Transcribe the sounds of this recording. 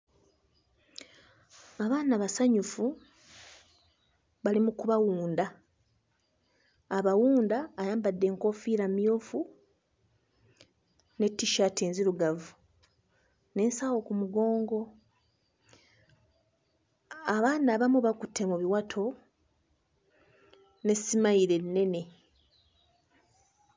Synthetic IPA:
aβaːnaβasaɲufu | βalimukuβawuːnda | βawuːndaːjaːmbadːe̞ːŋko̞ːfiːɾamjo̞ːfu | ne̞tːiʃateːnziɾuɡavu | ne̞ːnsawo̞kumuɡo̞ːŋɡo̞ | aβaːnaːβamuβakutʰːe̞muβiwatʰo̞ | ne̞simaiɾe̞nːe̞ne̞

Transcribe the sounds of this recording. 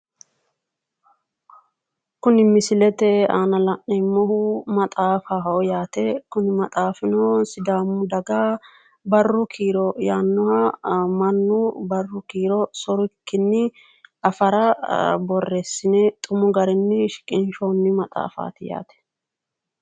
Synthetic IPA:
kʊnɪmɪsɪlɛt̪ɛaːnɐlɐʔɛmːɔhʊmɐt̪ʼaːfaːɦɐɔjaːt̪ɛkʊnɪmɐt̪ʼaːfɪnɔsɪd̪aːmːʊd̪ɐɡa | bɐrːʊkʰiːɾɔjaːnːʊhamɐnːʊbɐrːʊkiːɾɔsɔɾʊkːɪnːɪ | ɐfɐɾɐbɔrːɛsːɪnɛt̪ʼʊmʊɡɐɾɛnːɪʃɪ̥kʼɪnʃɔnːɪmɐt̪ʼa̰ːfa̰ːt̪ɪja̰ːt̪ɛ̥

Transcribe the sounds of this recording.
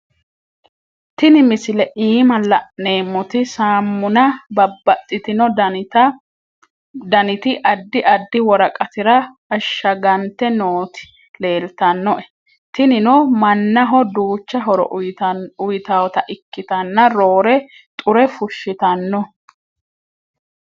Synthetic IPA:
t̪ɪnɪmɪsɪlɛʔiːmɐlɐʔne̞ːmːʊt̪ɪsaːmːʊnɐbɐbːɐt̪ʼːɪt̪ɪnɔd | d̪ɐnɪt̪ɪʔɐd̪ːɪʔɐd̪ːɪwɔɾɐkʼɐt̪ɪɾɐː | ʃːɐɡɐnt̪ːɛnoːt̪ɪ̥ | le̞ːlt̪ɐnːɔʔɛ | t̪ɪnɪnɔmɐnːɐɦɔd̪uːt͡ʃːɐɦɔɾɔ̰ | ʊjɪt̪awɔt̪ɐʔɪkːɪt̪ɐnːɐɾoːɾɛ | t̪ʼʊɾɛfʊʃːɪt̪ɐnːɔ

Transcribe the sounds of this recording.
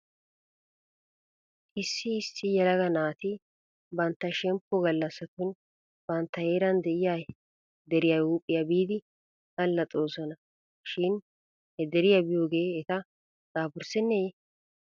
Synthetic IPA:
ʔɪsːɪːsːɪjɛlɐɡɐnaːt̪ɪ | bɐnt̪ːɐʃɛmpːɔɡɐlːɐsːɐt̪ʊn | bɐnt̪ːɐhe̞ːɾɐnd̪ɛʔɪja | d̪ɛɾɪjajuːpʼːɪjɐbiːd̪ɪ | ɡɐlːɐt̪ʼo̞ːsɔnɐ | ʃɪn | hɛd̪ɛɾɪjɐbɪjo̞ːɡe̞ːɛt̪ɐ | t͡sʼaːbʊɾsɛnːe

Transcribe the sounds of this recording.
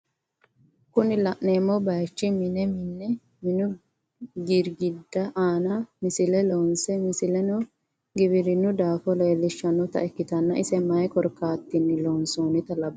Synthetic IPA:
kʊnɪlɐʔneːmːɔbɐjt͡ʃːɪmɪnɛmɪnːɛ | mɪnʊ | ɡɪɾɡɪd̪ːɐʔaːnɐmɪsɪlɛloːnsɛmɪsɪlɛnɔ | ɡɪbɪɾɪnːʊd̪aːfɔleːlːɪʃːɐnːʊt̪ɐ̰ɛkːɪt̪ɐnːɐʔɪsɛmɐjɛkɔɾkːaːt̪ːɪnːɪloːnsuːnɪt̪ɐlɐbɐ

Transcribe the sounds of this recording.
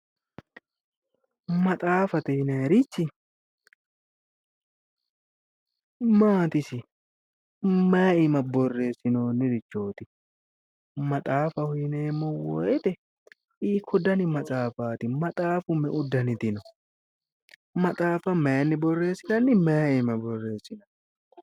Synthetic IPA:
mɐt̪ʼaːfɐt̪ɛnɐɛɾɪt͡ʃːɪ | maːt̪ɪsɪ | maːɪmɐbɔrːe̞ːsːɪno̞ːnːɪɾɪt͡ʃːo̞ːt̪ɪ | mɐt̪ʼaːfɐhʊjɪneːmːɔwɔ̰jɛt̪ɛ | ɪkʰɔd̪ɐnɪmɐt͡sʼaːfaːt̪ɪmɐt̪ʼaːfʊmɛʔʊd̪ːɐnɪt̪ɪnɔ | mɐt̪ʼaːfɐmɛjnːɪbɔrːe̞ːsːɪnɐnːɪmaːɪmɐbɔrːe̞ːsːɪno

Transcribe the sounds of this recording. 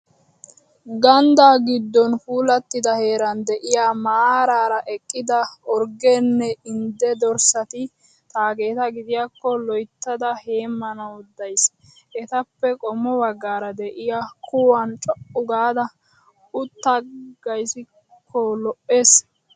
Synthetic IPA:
ɡɐnd̪aːɡɪd̪ːɔnfuːlɐt̪ːɪd̪ɐhe̞ːɾɐnd̪ɛʔɪjamaːɾaːɾɐʔɛkʼːɪd̪ɐɔɾɡɛnːɛɪnd̪ɛd̪ɔɾsɐt̪ɪ | t̪aːɡe̞ːt̪ɐɡɪd̪ɪjakːɔlɔjt̪ːɐd̪ɐhe̞ːmːɐnɐʊd̪ːɐjs | ɛt̪ɐpːɛkʼɔmːɔbɐɡːaːɾɐd̪ɛʔɪjakʰʊwɐnt͡ʃʼɔʔʊɡaːd̪ɐ | ʊt̪ːɐɡ̥ɐjsɪ | kʰːɔlɔʔːe̞ːs

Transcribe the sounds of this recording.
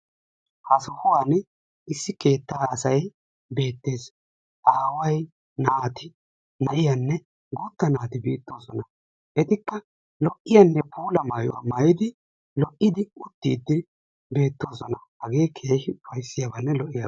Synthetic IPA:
hɐsɔhʊwan | ɪsːɪke̞ːt̪ːaːɐsɐj | be̞ːt̪ːe̞ːs | ʔaːwɐj | naːt̪ɪ | nɐʔɪjɐnːɛ | ɡʊt̪ːɐnaːt̪ɪbiːt̪ːo̞ːsɔnɐ | ʔɛt̪ɪkːɐ | lɔʔːɪjɐnːɛpʰuːlɐmaːjʊ̰wɐ̰mɐjɪd̪ɪ | lɔʔːɪd̪ɪʊt̪ːḭːd̪ːɪ | be̞ːt̪ːo̞ːsɔnɐhɐɡe̞ːkʰeːhɪʊfɐjsːɪjabɐnːɛlɔʔɪja

